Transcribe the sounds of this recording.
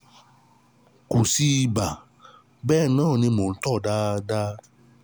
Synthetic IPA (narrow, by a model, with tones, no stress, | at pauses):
ko˨si˧i˧ba˨ | bɛː˦˨nãː˦˨nĩ˧mõ˨˦tɔ˦˨da˦da˦